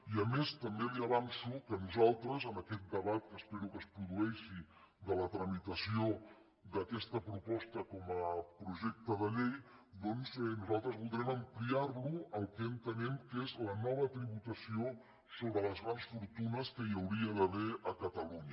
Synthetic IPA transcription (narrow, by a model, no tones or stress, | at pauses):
iəmest̪əmbeliəβansukənuzalˠt̪ɾəzənəkɛt̪̚d̪əβat̪̚kəspɛɾukəspɾuðuɛʃi | d̪ələt̪ɾəmit̪əsio | d̪əkɛst̪əpɾupɔst̪əkɔməpɾuʒɛk̚t̪əðəʎejd̪ɔnzɛnuzalˠt̪ɾəzβulˠd̪ɾɛməmpliaɾluəlˠkɛənt̪ənɛmkezlənɔβət̪ɾiβut̪əsio | soβɾələzɣɾansfuɾt̪unəskəiəwɾiəðəβeʔəkət̪əluɲə